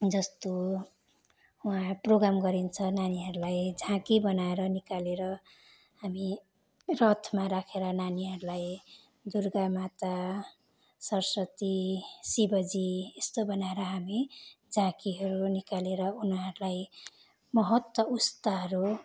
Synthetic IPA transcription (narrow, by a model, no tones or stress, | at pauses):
d͡zʌst̪o | ũɦãproɡɾamɡʌɾint͡sʰʌnaniɦʌɾulajd͡zʱãkibʌnaeɾʌnikaleɾʌ | ɦami | rʌt̪ʰmaɾakʰeɾʌnaniɦʌɾulaj | d̪urɡamat̪a | sʌrsʌt̪isibʌd͡ziest̪obʌnaeɾʌɦamid͡zʱãkiɦʌɾunikaleɾʌunɦʌɾulaj | mʌɦʌt̪wʌust̪aɦʌɾu